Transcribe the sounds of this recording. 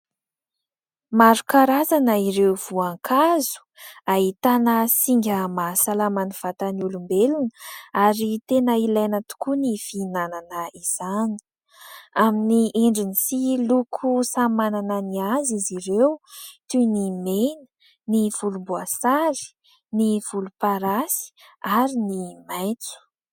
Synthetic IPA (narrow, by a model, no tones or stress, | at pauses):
maɾukaɾazanəiɾewv̥uaŋkʰazu̥ait̪anəsiŋɡʲəmasalamanuv̥at̪anulumbelunəaɾit̪enəilajnət̪u̥kunifinananəiz̥ani̥ | aminiʔeɳɖ͡ʐinisilukʰusamanananiaziziɾewt̪unimenə̥ | niv̥ulubuasaɾi̥ | niv̥ulupaɾasi̥ | aɾinimajki̥